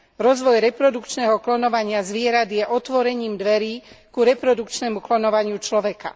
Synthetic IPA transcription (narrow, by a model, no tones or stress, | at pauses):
ɾɔzʋɔjɾɛpɾɔd̪ukt͡ʃnɛɦɔklɔnɔʋaɲɪazʋɪɛɾad̪jɛʔɔt̪ʋɔɾɛɲiːmd̪ʋɛɾiːkuɾɛpɾɔd̪ukt͡ʃnɛmuklɔnɔʋaɲɪut͡ʃlɔʋɛka̰